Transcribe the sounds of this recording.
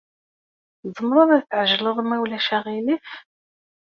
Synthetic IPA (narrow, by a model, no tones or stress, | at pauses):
zˤəmɾˤɑðˤæðθʕəʒləðˤmæwlæʃæʁiliθ